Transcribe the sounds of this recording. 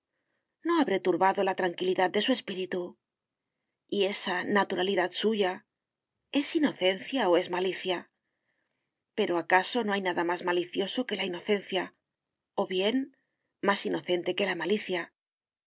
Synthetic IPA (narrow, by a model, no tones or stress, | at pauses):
no̞aβɾe̞t̪uɾβaðo̞lat̪ɾaŋkiliðað̚d̪e̞sue̞spiɾit̪u | ie̞sanat̪uɾaliðat̪suʝa | e̞sino̞θe̞n̟θjao̞e̞zmaliθja | pe̞ɾoakaso̞no̞ajnaðamazmaliθjo̞so̞ke̞laino̞θe̞nθja | o̞βje̞n | masino̞θe̞nt̪e̞ke̞lamaliθja